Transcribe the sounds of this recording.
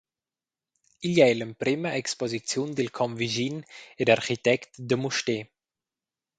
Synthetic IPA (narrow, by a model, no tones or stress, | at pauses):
iljɛjləmpɾiməʔɛkspɔzit͡sjundelkʰɔmviʒinedaɾχitɛktdəmuʃteː